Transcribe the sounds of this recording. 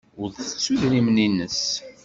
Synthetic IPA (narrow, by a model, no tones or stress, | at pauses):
ʊɾθə̥t͡sːuðɾimninːəs